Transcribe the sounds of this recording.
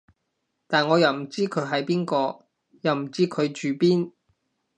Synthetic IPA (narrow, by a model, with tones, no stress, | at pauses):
t̪aː˨nŋɔː˨˧jɐ˨wm̩˨˩t͡siː˥kʰɵ˨˧ɥɦɐ˨jpiː˥nkɔː˧ | jɐ˨wm̩˨˩t͡siː˥kʰɵ˨˧ɥt͡ʃyː˨˧piː˥n